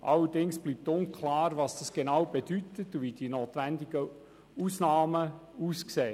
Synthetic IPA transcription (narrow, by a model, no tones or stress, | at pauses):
ʔɑlːədɪŋsb̥liːp̚t̪ʊnkʰlɑːɾvɑsd̥ɑsɡ̥enawb̥ed̥ytətuvid̥inoːt̪ʋændɪɡə | uːsnɑːməuːskseː